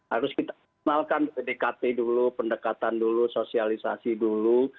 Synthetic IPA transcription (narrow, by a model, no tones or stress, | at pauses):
haɾʊskit̪a | nalkanedekat̪edulupəndəkat̪andulusosialisa̰sidulu